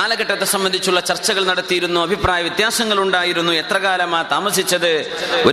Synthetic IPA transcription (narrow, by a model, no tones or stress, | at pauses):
aːlɐɣɐʈːɐt̪ːesɐmbɐnd̪ʱit͡ɕːuɭːɐt͡ɕɐrt͡ɕːɐɣɐɭnɐɽɐt̪ːijiɾunːuɐbʱipraːjɐʋjit̪jaːsɐŋːɐɭuɳɖaːjiɾunːue̞t̪rɐɣaːlɐmaːt̪aːmɐsit͡ɕːɐðɨ | o